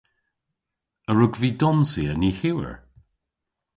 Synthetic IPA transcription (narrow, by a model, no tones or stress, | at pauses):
əɹʊɡviːdɔnsiəniːhiwə̰ɹ